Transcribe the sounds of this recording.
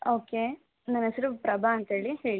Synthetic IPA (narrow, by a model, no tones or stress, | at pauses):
oːke | nɐnɐsɐɾupɾɐbʱaːnt̪ɦeːɭiheːɭi